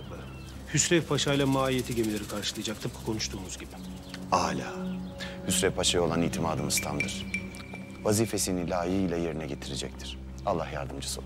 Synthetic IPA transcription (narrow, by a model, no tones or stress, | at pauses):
hysɾɛpʰaʃajlˠamaːije̞t̪ʰiɟe̞milʲe̞ɾikʰaɾʃɯlˠɯjad͡ʒak̚t̪ʰɯp̚kʰḁkʰo̞nuʃt̪ʰuːmuzɟibɪ | aːlʲa̰ːhysɾɛfpʰaʃajo̞lˠanijːt̪ʰimaːd̪ɯmɯzt̪ʰa̰md̪ɯɾ̥ | vaziːfe̞sinilʲaːjiijlʲaje̞ɾinɛɟe̞t̪ʰiɾed͡ʒɛc̚t̪ʰiɾ̥ | alˠːahjaɾd̪ɯmd͡ʒɯ̥sɯ